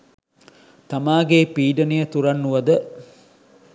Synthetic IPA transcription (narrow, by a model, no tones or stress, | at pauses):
t̪amaːɡeːpiːɖənijət̪uɾanːuʋɐd̪ə